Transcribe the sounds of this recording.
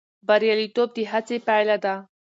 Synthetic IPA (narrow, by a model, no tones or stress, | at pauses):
baɾjalit̪ob̚d̪iɦat͡sepajlad̪a